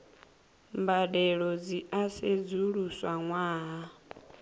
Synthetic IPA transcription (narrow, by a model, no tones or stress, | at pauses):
mbadɛɺɔd͡ziʔased͡zuɺuswaŋwaːɦa